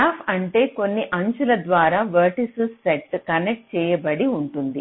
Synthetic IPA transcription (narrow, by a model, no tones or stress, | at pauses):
aːpʰɐɳʈe̞ːko̞nːiʔɐɲt͡ʃulɐd̪ʋaːɾaːʋɐɾʈisusːeʈːkɐnek̚ʈ̚t͡ʃɛːjɐbɐɽiuɳʈund̪i